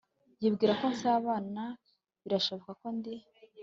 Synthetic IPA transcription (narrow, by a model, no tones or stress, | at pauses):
jibɡiːɾako̞nsaːβaːna | βiɾaʃo̞βokako̞ndi